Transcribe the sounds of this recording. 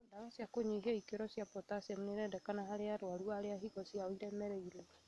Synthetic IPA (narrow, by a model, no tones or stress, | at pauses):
daɣasjakoɲiɦiɔikeɾɔsjapɔtasamuneɾɛdɛkanaɦaɾeaɾwaluaɾeaɦiɡɔsjaoiɾɛmɛɾɛiɾɔ